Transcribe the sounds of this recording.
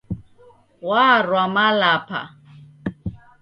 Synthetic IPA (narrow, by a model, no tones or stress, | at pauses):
waːrwamalapʰa̰